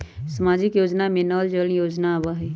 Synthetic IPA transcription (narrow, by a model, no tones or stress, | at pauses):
səmaːd͡ʒɪkjoːd͡ʒnamẽnəːld͡ʒəljoːd͡ʒnaʋaɦɛː